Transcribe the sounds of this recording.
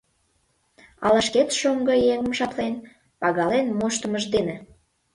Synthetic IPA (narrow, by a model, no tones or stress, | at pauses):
ɑ̰lɑʃket̪ʃoŋɡəjeŋəmʃɑplen | pɑɣɑlenmoʃt̪əməʒd̪ene